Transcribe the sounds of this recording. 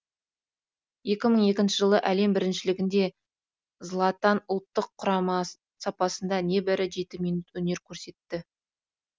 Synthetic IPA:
je̞kʲɪməɴje̞kʲɪnʃɪʒəlˠəʔæle̞mbɪɾɪnʃɪlɪɡʲɪnd̪e̞ | zlˠɑt̪ɑnʊlˠt̪ːəqʰːʊɾɑmɑ | sɑpɑsənd̪ɑne̞bɪɾɪʒe̞t̪ɪmijnut̪wɵne̞ɾkʲʰɵɾse̞t̪ːɪ

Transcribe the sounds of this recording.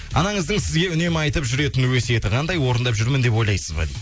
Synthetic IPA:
ɑ̰nɑɴəzd̪əŋsɪzɡʲe̞ʏne̞mɑjt̪əpʒʏɾe̞t̪ɪnwese̞t̪ɪqʰɑnd̪ɑjwo̞ɾənd̪ɑpʒʏɾmɪnd̪e̞pwo̞jlˠɑjsəzbɑ̰lḭ

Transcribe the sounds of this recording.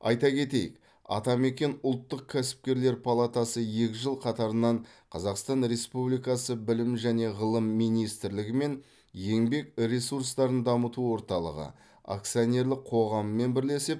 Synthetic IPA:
ɑ̰jt̪ɑkʲʰe̞t̪e̞jɪ̰k | ɑ̰t̪ɑme̞kʲe̞nʊlˠt̪ːəq̚kʲʰæsɪ̥p̚kʲe̞ɾle̞ɾpʰalˠat̪ɑsəje̞kʲɪʒəlˠqʰɑt̪ɑɾənɑɴqʰɑzɑqst̪ɑnɾe̞spublijkɑsəbɪlɪmʒæne̞ʁəlˠəmːijnijst̪ɪɾlɪɡʲɪme̞n | je̞ŋbe̞kɾʲe̞suɾst̪ɑɾənd̪ɑmət̪uwo̞ɾt̪ɑlˠə̰ʁə̰ | a̰kt̪sijonʲe̞ɾlˠɪqqʰo̞ʁɑməːe̞nbɪɾle̞sɪp̚

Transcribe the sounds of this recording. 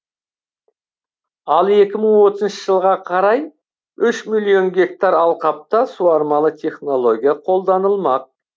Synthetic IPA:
ɑlˠe̞kʲɪməɴwo̞t̪əzənʃəʒəlˠʁɑqʰɑɾɑj | ʏʃmilʲˠijo̞nɡʲe̞k̚t̪aɾɑlˠqɑp̚t̪ɑsuɑɾmɑlˠət̪ʲʰe̞χno̞lˠo̞ɡʲijaqʰo̞lˠd̪ɑnəlˠmɑq̚

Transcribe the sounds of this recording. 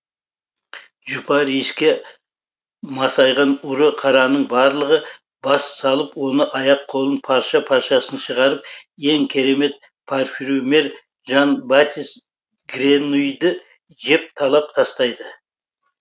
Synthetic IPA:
ʒʊpʰɑɾijskʲe̞ | mɑsɑjʁɑnʊɾəqʰɑɾɑnəɴbɑɾlˠəʁə | bɑssɑlˠəpwo̞nəʔɑjɑqʰo̞lˠənpʰɑɾʃɑpʰɑɾʃɑsənʃəʁɑɾəp̚je̞ŋkʲʰe̞ɾe̞me̞t̪̚ | pʰorfʲiɾome̞ɾ | ʒɑnbat̪ʲis | ɡɾenujd̪ɪ | ʒe̞p̚t̪ʰɑlˠɑp̚t̪ʰɑst̪ɑjd̪ə

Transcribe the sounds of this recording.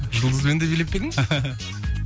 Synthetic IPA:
ʒəlˠd̪əzbend̪ebelep̚ːed̪ɪŋ

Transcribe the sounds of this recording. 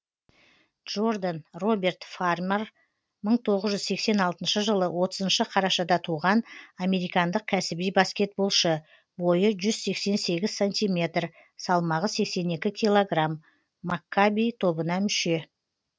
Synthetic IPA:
dʒ̥o̞rd̪anro̞be̞rt̪farmer | məɴt̪ʰo̞ʁəzʒʏzse̞kse̞nɑlˠt̪ənʃəʒəlˠəwʔo̞t̪əzənʃəqʰɑɾɑʃɑd̪ɑt̪ʰuʁɑname̞ɾijkɑnd̪əq̚kʲʰæsɪbijbɑskʲe̞t̪̚bo̞lˠʃə | bo̞jəʒʏzse̞kse̞nse̞ɡʲɪz̥sanʲt̪ijmʲe̞t̪r | sɑlˠmɑʁəse̞kse̞ne̞kʲɪkʲʰijlˠo̞ɡramː | akːabijt̪ʰo̞bənɑmʏʃe̞

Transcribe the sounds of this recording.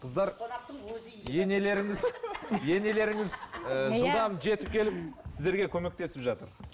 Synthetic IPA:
qʰəzd̪ɑɾ | je̞ne̞le̞ɾɪŋɪzje̞ne̞le̞ɾɪŋɪzʒəlˠd̪ɑmʒe̞t̪ɪp̚kʲʰe̞lɪp̚sɪzd̪e̞ɾɡʲekʲʰɵme̞k̚t̪e̞sɪpʒɑt̪əɾ

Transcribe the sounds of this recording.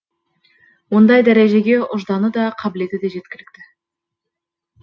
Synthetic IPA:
wond̪ɑjd̪æɾeʒe̞ɡʲe̞ʔʊʒd̪ɑnəd̪ɑqʰɑbɪle̞t̪ɪd̪e̞ʒe̞t̪̚kʲɪlɪk̚t̪ɪ

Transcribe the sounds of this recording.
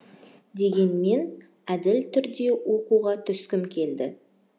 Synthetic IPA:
d̪e̞ɡʲe̞nme̞n | æd̪ɪlt̪ʰʏɾd̪e̞wo̞quʁɑt̪ʰʏskʲɪmkʲʰe̞ld̪ɪ

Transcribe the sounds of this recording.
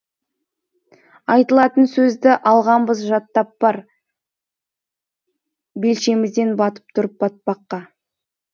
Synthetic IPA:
ɑjt̪əlˠɑt̪ənsɵzd̪ɪʔɑlˠʁɑmbəzʒɑt̪ːɑp̚b̥ɑɾ | be̞lʃe̞mɪzd̪e̞nbɑt̪ə̥p̚t̪ʰʊɾəp̚bɑt̪̚bɑqːɑ

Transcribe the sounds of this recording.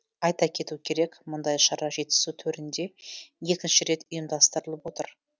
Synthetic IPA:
ɑjt̪ɑkʲʰe̞t̪ukʲʰe̞ɾe̞kmʊnd̪ɑjʃɑɾɑʒe̞t̪ːɪ̥sut̪ʰɵɾɪnd̪e̞je̞kʲɪnʃɪɾe̞t̪ʊjəmd̪ɑst̪əɾəlˠəpwo̞t̪əɾ

